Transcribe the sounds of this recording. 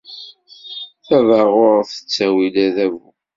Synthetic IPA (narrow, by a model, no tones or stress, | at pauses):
θævəʁʊɾθə̥t͡sːæwilæðævṵ